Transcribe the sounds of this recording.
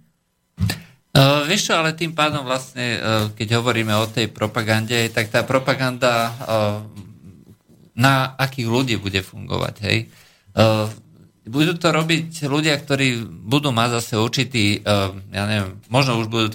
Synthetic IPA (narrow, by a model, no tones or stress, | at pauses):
ʋiʃualɛt̪iːmpaːd̪ɔmʋlastɲɛkɛɟɦɔʋɔɾiːmɛɔt̪ɛjpɾɔpaɡanɟɛɦɛjt̪ak̚t̪aːpɾɔpaɡand̪a | naːkiːɣluɟiːbuɟɛfuŋɡɔ̰ʋa̰ɟɦɛ̰j | bud̪uːt̪ɔɾɔbicluɟɪak̚t̪ɔɾiːbud̪uːmaɟzasɛuɾt͡ʃit̪iːjaːɲɛʋɛmːɔʒnɔuʒbud̪uːt̪